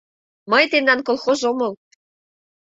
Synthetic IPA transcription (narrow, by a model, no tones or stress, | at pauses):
mɤjt̪end̪ɑnkolˠxozomɤ̆l